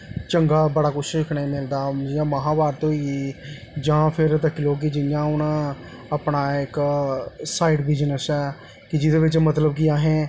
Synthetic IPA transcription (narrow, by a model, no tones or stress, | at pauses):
t͡ʃəŋɡaːbəɽaːkʊʃɪkʰnẽːmɪld̪aːjãːməɦãːʋaːɾt̪õːiː | d͡ʒãːpʰɪɾt̪əkːɪloːk̬ɪd͡ʒɪnjãːʊnãː | apɳaːɪk | saːiɖʋɪːd͡ʒnəsɛː | kɪd͡ʒɪd̪eːʋɪt͡ʃmət̪̬ləbkiaːɦẽː